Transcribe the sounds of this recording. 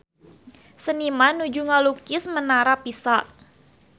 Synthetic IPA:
sənimanud͡ʒuŋalukɪsmənaɾapisaʔ

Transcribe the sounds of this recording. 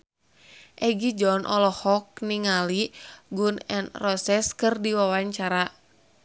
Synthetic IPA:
ʔɛɡid͡ʒɔnʔɔlɔhɔk̚niŋaliɡunɛnrɔsɛskɨrdiwawaɲt͡ʃaɾa

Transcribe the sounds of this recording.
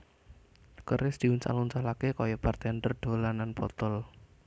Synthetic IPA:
kəɾɪsd̪̥i̤unsa̰lunt͡ʃalakekɔjɔpart̪and̪ərɖ̪̥o̤lananpɔ̰t̪ɔl

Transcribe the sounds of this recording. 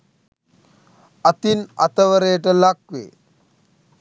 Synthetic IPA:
ɐt̪inɐ̰t̪əʋəɾejəʈəlakʋḛː

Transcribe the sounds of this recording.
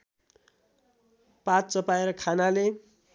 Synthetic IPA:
pat̪̚t͡sʌpaeɾʌkʰanale

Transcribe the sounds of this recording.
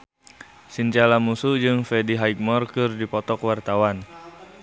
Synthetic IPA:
sint͡ʃalamusud͡ʒɨŋfɛdiɦajk̚mɔrkɨrdipɔt̪ɔkwart̪awan

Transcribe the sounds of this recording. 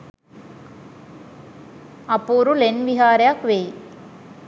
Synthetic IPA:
ɐpːuːɾulenʋɪɦaːɾjakʋej

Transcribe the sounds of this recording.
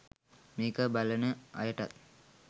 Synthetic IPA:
meːkəbalənəa̰jəʈa̰t̪̚

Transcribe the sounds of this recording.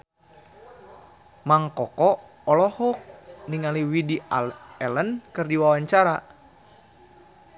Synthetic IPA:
maŋkɔkɔ | ɔlɔhɔk̚niŋaliwidiɛlənkɨrdiwawaɲt͡ʃaɾa

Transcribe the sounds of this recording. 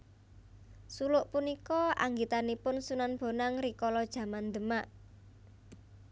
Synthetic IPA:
sulʊʔpunikɔa̰ŋɡit̪anipʊnsunanb̥o̤naŋrikɔlɔd̥ʒ̥ä̤mand̪ə̤maʔ

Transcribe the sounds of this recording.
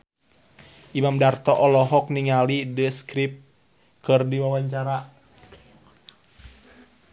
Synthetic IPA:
ʔimamdart̪ɔʔɔlɔɦɔk̚niŋalidəskɾip̚ | kɨrdiwawaɲt͡ʃaɾa

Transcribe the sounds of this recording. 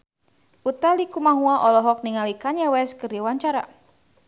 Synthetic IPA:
ʔut̪alikumaɦuaʔɔlɔɦɔk̚niŋalikaɲawɛskɨrawaɲt͡ʃaɾa̰

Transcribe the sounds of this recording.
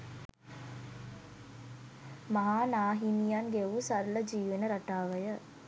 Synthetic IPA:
mɐɦaːnaːɦinijaːnɡeʋusɐɾɐlɐd͡ʒiːʋɐnɐɾɐʈːaːʋɐjɐ

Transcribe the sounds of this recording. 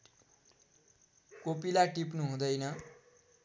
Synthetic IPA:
kopilaʈip̬nuɦũd̪ʌjnʌ

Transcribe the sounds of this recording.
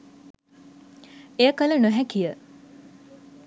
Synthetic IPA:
ejəkələnoɦækijə

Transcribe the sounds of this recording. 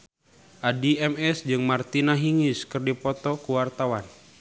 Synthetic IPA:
ʔadiɛmɛsd͡ʒɨŋmart̪inaɦiŋiskɨrdipɔt̪ɔkuwart̪awan

